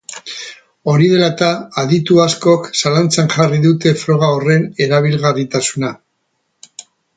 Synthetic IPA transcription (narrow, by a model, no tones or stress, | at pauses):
o̞ɾiðe̞lat̪aːðit̪uasko̞ksalant͡saŋʝariðut̪e̞fɾo̞ɣ̞aore̞ne̞ɾaβ̞ilɣarit̪asuna